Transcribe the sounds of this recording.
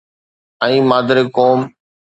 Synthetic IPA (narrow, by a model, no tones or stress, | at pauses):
ɛ̃ĩːmaːd̪əɾekoːm